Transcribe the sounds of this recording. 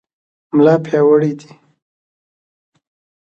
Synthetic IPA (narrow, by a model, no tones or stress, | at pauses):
mlɑpʰjɑwəɽid̪i